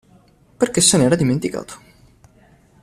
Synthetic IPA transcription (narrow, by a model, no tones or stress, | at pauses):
perkesːenɛːɾad̪iment̪ika̰ːt̪ʰo̥